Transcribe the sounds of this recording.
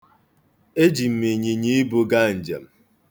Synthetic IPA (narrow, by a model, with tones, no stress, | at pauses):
e˦d͡ʒi˨m̩˨me˨ɲe˨ɲi˦i˦bo˦ɡa˦˨n̩˨d͡ʒḛ˨m̩˨